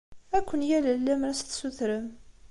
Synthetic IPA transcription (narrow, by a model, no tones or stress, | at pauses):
ækʷːənjælælːæmɾæsθsuθɾəm